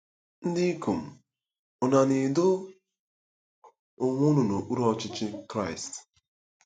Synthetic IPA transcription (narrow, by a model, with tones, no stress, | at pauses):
n̩˦di˦ku˨m̩˨ | ʊ˨na˨ni˨dʊ˦ | ʊ˨ŋʷʊ˦nu˨no˨ʔu˦ɾɔ˦t͡ʃɪ˦t͡ʃɪ˦kɾa˦˨ɪ˨st